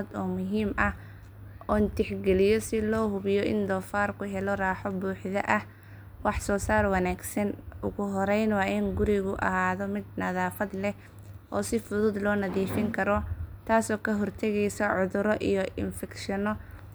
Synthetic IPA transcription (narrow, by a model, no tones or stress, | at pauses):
d̪ɔːmʊɦiːmʔɐ | ɔːnt̪ʰɪħɡɛlɪjɔsɪlɔːɦʊβɪjɔʔɪ̰nd̪ɔːfaːrkʰʊɦɛlɔraːħɔbuːħðɐʔɐ | wɑħsɔːsaːrwɑnaːɡsɐnʊɣʊɦɔɾɛjnwɑːʔɪnɡʊɾɪɣʊʔɐ̰ɦaːðɔmɪd̪nɐðaːfɐd̪lɛ | ʔɔːsɪfʊðʊd̪lɔːnɐðiːfɪŋkʰɐɾɔt̪ʰaːsɔːkʰɐɦɔrt̪ʰɛɣɛjsɔʕʊðʊɾɔʔijɔʔɪ̰nfɛkʃɐnɔ